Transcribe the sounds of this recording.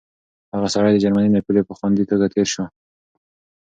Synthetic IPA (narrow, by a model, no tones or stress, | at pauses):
haɣasaɽajd̪əd͡ʒaɾmanimapilepəxwand̪it̪əɡat̪ʰeɾʃo